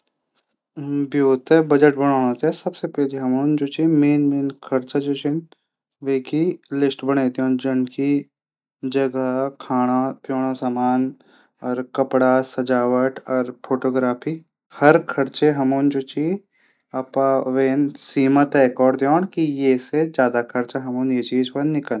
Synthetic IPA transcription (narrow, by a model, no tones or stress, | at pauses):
bjoːt̪ɛbɐd͡ʒəʈ̚bɐɽ̃aːnot̪ɛsɐbsepɛːliɦɐmoːnd͡ʒoːt͡ʃimeːnmeːnkʰɐɾt͡ʃad͡ʒoːt͡ʃeːn | ʋeːkilɪsʈbɐɽ̃eːt̪õːnd͡ʒɐnki | d͡ʒɐɡakʰaːɽ̃apjoːɽ̃osamaːn | ɔːɾkɐpɽasɐd͡ʒaːʋəʈɔːɾpʰoːʈoːɡɾaːpʰiː | hɐɾkʰɐɾt͡ʃeɦɐmuːnd͡ʒoːt͡ʃiː | ɐpaʋeːnsiːmət̪ekɔːɖd̪joːɽ̃kijeːsed͡ʒjaːd̪akʰɐɾt͡ʃaɦɐmuːnjet͡ʃiːd͡ʒpɐnːɪkə